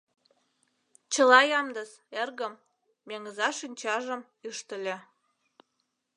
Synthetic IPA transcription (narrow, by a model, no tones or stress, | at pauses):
t͡ɕəlɑjɑmd̪əs | erɣəmː | eŋəzɑʃinʲt͡ɕɑʒə̆m | yʃt̪ə̆lʲĕ